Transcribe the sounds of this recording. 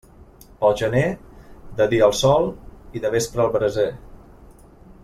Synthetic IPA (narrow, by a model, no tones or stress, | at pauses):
pəlˠʒəned̪əðiəlˠsɔlˠiðəβ̞espɾəːlˠβɾəze